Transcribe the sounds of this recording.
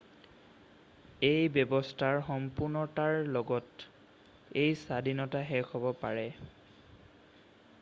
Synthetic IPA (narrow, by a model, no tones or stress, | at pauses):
ejbɔbɔstʰaɹxɔmpuɹnɔtaɹlɔɡɔt | ejsadinɔtaɦɛkɔbɔpaɹɛ